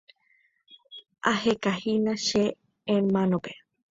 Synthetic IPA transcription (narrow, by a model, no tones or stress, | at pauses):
ahekahinãʃe | ẽmãnõpe